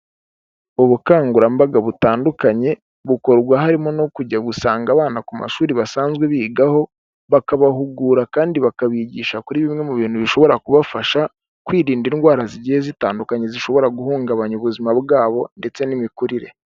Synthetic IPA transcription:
uβukaːŋɡuɾambaɡaβutaːndukaɲe̞ | βuko̞ɾɡwaɦaɾimo̞no̞kuɟaɡusaːŋɡaβaːnakuma̰ʃuːɾiβasaːnzɡwe̞βiːɡaho̞ | βakaβaɦuɡuːɾakaːndiβakaβiɟiːʃakuɾiβimŋe̞muβiːn̥huβiʃo̞βo̞ɾakuβafaʃa | kwiːɾiːndinɡwaːɾaziɟihezitaːndukaɲe̞ziʃo̞βo̞ɾaɡuhuːŋɡaβaɲuβuzimabɡaːβo̞nde̞t͡se̞nimikuɾiɾe̞̰

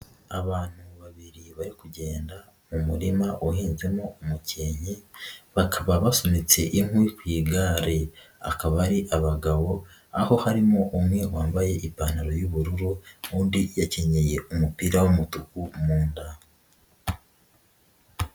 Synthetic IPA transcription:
aβaːn̥huβaβiɾiβaɾikuɟe̞ːnda | mumuɾimaʔoɦiːnze̞moːmuceːɲiβakʰaβaβasonit͡se̞ʔiŋwikwiːɡaːɾea̰kaβaɾiʔaβaɡaβo̞ | aho̞haɾimo̞ʔumŋe̞waːmbaje̞ʔipaːnaɾo̞juβuɾuɾuuːndijaceɲeje̞umupiːɾawomutukumuːnda

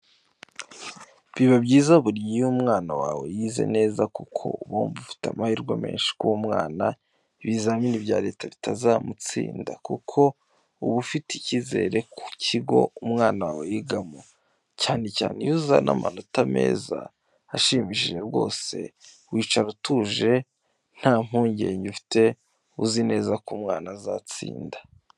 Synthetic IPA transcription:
βiβabɟiːzauβuɾjiumŋaːnawaːwe̞jiːze̞̰ne̞ːzakukʰo̞̰uβoːmbufi̥tamahiɾɡwame̞̰ːnʃi̥kuwomŋa̰ːna | βizaminibɟaːɾe̞ːtʰaβitazaːmut͡sḭːndakukʰo̞ | uβufiticize̞ːɾe̞kucʰiɡo̞̰umŋaːnawawojiɡamo | caːneca̰ːnejuza̰nʔama̰notame̞̰ːza̰ː | ʃimiʃiʒe̞ɾɡo̞ːse̞̰ | wiːt͡ʃaɾutuʒe̞ | n̥haːm̥huːɲɟeːɲufi̥te̞ | uzine̞ːzakumŋaːnazat͡sḭːndḁ

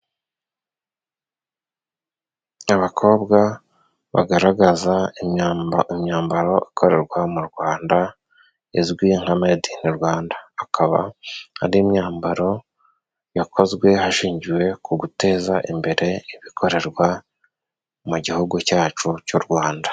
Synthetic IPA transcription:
aβakʰo̞ːbɡa | βa̰ɡaɾaɡaza | imɲaːmbaɾo̞ʔikʰo̞ɾe̞ɾɡwamuɾɡwaːnda | izɡwiŋ̥hamediniɾwaːndaːkʰaβa̰ha̰ɾimɲaːmbaɾo̞ | jakʰo̞zɡwe̞haʃiːɲɟiwe̞kuɡute̞ːzaʔimbe̞ɾe̞iβikʰo̞ɾe̞ɾɡwa | muɟihuɡucaːt͡ʃucuɾɡwaːndḁ

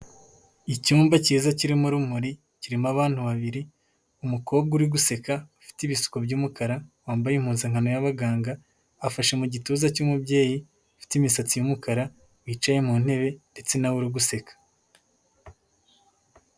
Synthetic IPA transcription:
icuːmbaciːzaciɾimuɾumuɾi | ciɾimaβaːn̥huβaβiɾi | umuko̞ːb̚ɡuɾiɡuse̞kaufi̥tiβisu̥kobɟuːmukaɾawaːmbajemhuːnzaŋhano̞jaβaɡaːŋɡaː | faʃe̞muɟituːzacuːmubɟe̞ːji | ufi̥timisat͡sijumukaɾa | wiːt͡ʃaje̞muːnhe̞βe̞nde̞t͡se̞nawuɾiɡuse̞kḁ

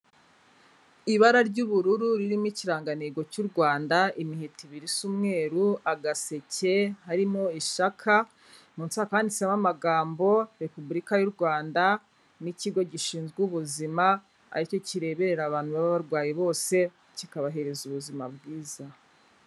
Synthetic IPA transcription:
iβaɾaɾɟuβuɾuɾuɾiɾimiciɾaːŋɡaneɡo̞cuɾɡwaːndaimiɦitiβiɾisumŋe̞ːɾuaɡase̞ce̞haɾimo̞iʃakʰa | muːnsaːkaːndisamamaɡaːmbo̞ɾe̞pubuɾikajuɾɡwaːnda | niciɡo̞ɟiʃiːnzɡuβuzima | a̰ɾico̞ciɾe̞ːβe̞ɾeɾaβaːnhuβaβaβaɾɡwaːjeβo̞ːse̞ | cikaβaɦe̞ɾe̞zuβuzima̰b̚ɡiːza

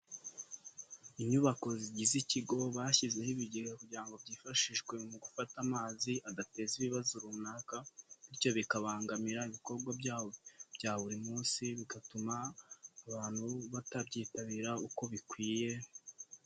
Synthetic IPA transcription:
iɲuβako̞ziɟiziciɡo̞βaːçize̞hiβiɟiɡakuɟiɾaŋɡo̞bɟiːfaʃiʃɡwe̞muɡufatamaːziaɡate̞ziβiβazuɾumunaːkaniɾco̞βikaβaːŋɡamiɾaiβiko̞ɾɡwabɟaːwo̞b̥ɟaːβuɾimuːnsiβiɡatumaːβaːn̥huβatabɟiːtaβiɾauko̞βikwiːje̞

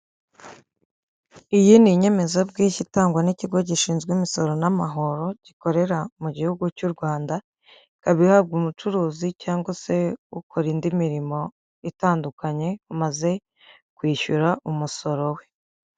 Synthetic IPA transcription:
ijiniɲe̞me̞zabɡiːʃitaːŋɡwaniciɡo̞ɟiʃiːnzɡwimiso̞ɾo̞namaɦo̞ɾo̞ɟ̥iko̞ɾe̞ɾamuɟihuɡucuɾɡwaːnda | kaβihab̚ɡumut͡ʃuɾuːzicaːŋɡwase̞ukʰoɾindimiɾimo̞ | itaːndukaɲe̞umaze̞ | kwiːçuɾaʔumuso̞ɾo̞we̞

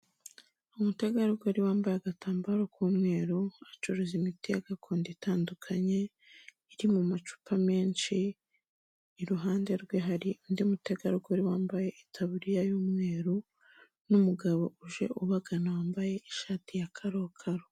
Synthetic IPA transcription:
umuteɡaɾuɡoɾiwaːmbajaɡatʰaːmbaɾokʰuːmŋe̞ːɾuat͡ʃoɾozimitia̰ɡakʰoːnditaːndukʰaɲe̞ | iɾimumat͡ʃu̥pʰame̞ːnʃi | ɾuɦaːnde̞ɾɡweɦaɾiundiumuteɡaɾuɡoɾiwaːmbaje̞ʔitʰaβuɾijajuːmŋe̞ːɾu | numuɡaβo̞ʔuʒe̞̰ʔuβaɡanawaːmbaje̞ʔiʃaːtijakʰaɾokʰaɾo

